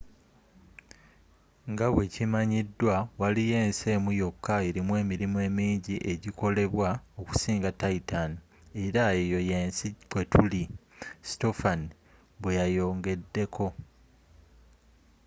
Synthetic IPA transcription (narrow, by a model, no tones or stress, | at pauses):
ŋɡaβwe̞cimaɲidːwawalije̞ːnse̞ːmujo̞kːaeɾimwe̞ːmiɾimue̞ːmiːɲɟiʔe̞ɟiko̞le̞βwao̞ku̥siːŋɡataitan | e̞ɾaejo̞jeːnsikwe̞tulisto̞fan | βwejajo̞ːŋɡe̞dːe̞kʰo̞